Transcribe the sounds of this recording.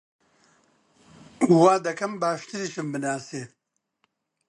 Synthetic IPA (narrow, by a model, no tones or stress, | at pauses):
waːd̪ɐkɐmbaːʂt̪iɾiʃimbinaːse